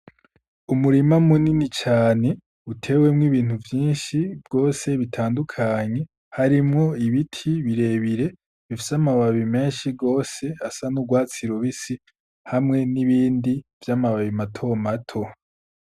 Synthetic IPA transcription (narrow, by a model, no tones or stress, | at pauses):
umuɾimamuninit͡ʃaːne̞ | utʰe̞ːwe̞mŋiβiːn̥uvjiːnʃibɡo̞ːse̞βitʰaːndukʰaɲe̞ | haɾimŋo̞iβitʰiβiɾe̞ːβiɾe̞ | βifi̥samaβaβime̞ːnʃiɡo̞ːse̞asanuɡwaːt͡siɾoβisi | hamŋe̞niβiːndivjamaβaβimatʰo̞matʰo̞